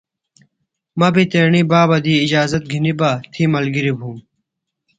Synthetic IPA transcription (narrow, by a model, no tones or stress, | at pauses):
mɐbit̪eːɳibaːbɐd̪iːd͡ʑaːzɐt̪̚ɡʱinibaːt̪ʰimɐlɡiɾibʱuːm